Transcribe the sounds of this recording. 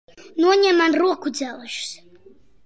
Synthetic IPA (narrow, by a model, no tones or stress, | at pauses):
nuɔɲʲɛmanruɔkud̪zælˠʃs